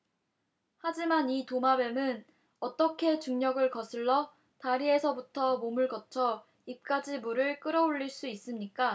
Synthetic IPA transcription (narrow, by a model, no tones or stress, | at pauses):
had͡ʑimanitomabe̞mɯn | ʌt͈ʌkʰe̞t͡ɕuŋɲʌɡɯɭkʌsʰɯɭːʌ | taɾie̞sʰʌbutʰʌmomɯɭkʌt͡ɕʰʌ | ip̚k͈ad͡ʑimuɾɯɭk͈ɯɾʌuʎːiɭs͈uis͈ɯmɲik͈a